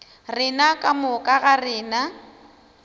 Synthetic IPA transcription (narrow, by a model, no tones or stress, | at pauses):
rɪnakʼamʊkʼaɣarɪːna